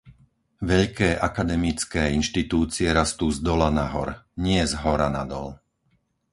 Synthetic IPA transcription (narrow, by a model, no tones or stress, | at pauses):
ʋɛʎkɛːʔakad̪ɛmit͡skɛːinʃt̪it̪uːt͡siɛɾast̪uːzd̪ɔlanaɦɔ̰ɾɲɪɛzɦɔɾanad̪ɔ̰l